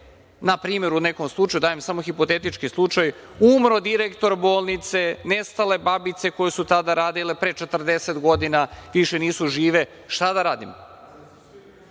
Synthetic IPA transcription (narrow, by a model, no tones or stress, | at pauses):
napɾiːme̞ɾune̞ko̞mslˠut͡ʃajud̪aːjemsamoxipo̞t̪et̪it͡ʃkislˠut͡ʂaj | umɾo̞d̪iɾekt̪o̞ɾbo̞ːlˠnit̪se̞nest̪ale̞babit̪se̞ko̞jesut̪ad̪aɾaːd̪ile̞pɾe̞t͡ʃet̪r̩d̪eset̪ɡo̞d̪inaʋiʃe̞niːsuʒiːʋe̞ | ʃt̪ad̪aɾaːd̪im